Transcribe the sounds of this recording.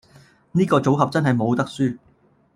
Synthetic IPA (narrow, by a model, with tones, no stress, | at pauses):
niː˥kɔː˧t͡so˨˥wɦɐ˨p̚t͡sɐ˥nɦɐ˨jmo˨˧wt̪ɐ˥k̚syː˥